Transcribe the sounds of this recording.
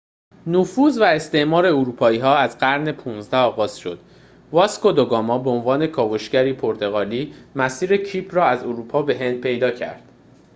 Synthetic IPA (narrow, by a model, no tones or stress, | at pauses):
nufuːzvæest̪e̞ʔmɒːɾe̞uɾuːpʰɒːiːɦɒːæzɢæɾne̞pʰuːnzd̪æɒːɣɒːz̥ʃo̞̰d̪̥ | vɒskod̪oɡɒːmɒːbeonvɒːne̞kʰɒːvo̞ʃcæɾiːpʰoɾt̪ʰe̞ɣɒːliːmæsiːɾe̞cʰiːpʰrɒːæzoɾuːpʰɒːbe̞ɦe̞nd̪̚pʰe̞jd̪ɒːcʰæ̰ɾd̪̥